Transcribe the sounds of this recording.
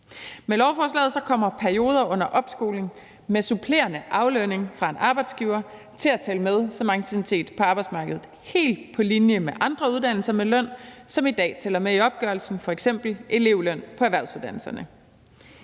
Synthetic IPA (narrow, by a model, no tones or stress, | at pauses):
melɒʊfɒːs̬lɛ̰ːð̩ˠsɒ̽kʰɒ̽m̰ɐpʰæɐijo̝ːð̞ˠɐʔɔ̽n̰ɐʔɒ̽b̥sɡ̥o̝ːle̝ŋ | mesupʰle̝̰ːɐnəʔɑ̈ʊløne̝ŋfʁɑ̈e̝nʔɑ̈ːb̥ɑ̈ɪd̥sɡ̥iːʊɐ | t͡sʰe̝læt͡sʰɛləmeð̞ˠsɒ̽mɑ̈ŋɡt͡sʰiʋit͡sʰe̝̰ːd̥pʰɒ̽ɑ̈b̥ɑɪ̥smɑ̈ːɡ̥əð̩ˠ | he̝̰ːld̥̚pʰɒ̽linjəmeʔɑ̈nd̥ʁɐuðˠd̥æn̰l̩sɐmelœn̰sɒ̽mid̥ɛ̰ːt͡sʰelɐmeiɒ̽b̥̚ɡ̥œɐlsn̩fɒ̽eɡ̥sem̰b̥l̩ʔe̝le̝ʊløn̰pʰɒ̽æʋæɐsuðˠd̥æn̰l̩sɐnə